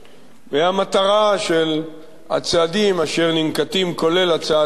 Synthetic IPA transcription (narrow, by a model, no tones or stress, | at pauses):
veamat̪aʁaʃe̞l | a̰t͡sead̪imaʃe̞ʁnimkat̪imko̞le̞lat͡sea